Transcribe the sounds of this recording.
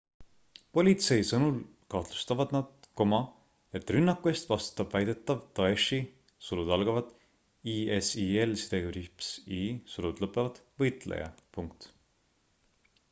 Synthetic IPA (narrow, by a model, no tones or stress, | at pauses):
po̞lʲit̪se̞jsɤnul | kɑht̪lu̥st̪ɑvɑd̪̥nɑd̪̥̚ko̞mɑ | e̞t̪ːˑrynːɑkːˑue̞st̪vɑst̪u̥t̪ːˑɑb̥væjd̪̥e̞t̪ːˑɑvt̪ɑeʃi | sulud̪ɑlɡ̥ɑvɑd̪̥ | iesielsid̪̥eɡyɾipsisulud̪̥lɤpːˑevɑd̪̥vɤjt̪ˑlḛjɑ̰puŋk̚t̪